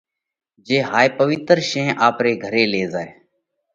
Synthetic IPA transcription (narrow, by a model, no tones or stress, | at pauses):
d͡ʒeːɦaːepəʋɪt̪ɾʃẽːʔaːpɾeːɡʱəɾeːleːzaːeː